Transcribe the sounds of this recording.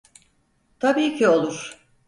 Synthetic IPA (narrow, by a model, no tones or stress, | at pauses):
t̪ʰabiːcʰio̞lˠuɾ̥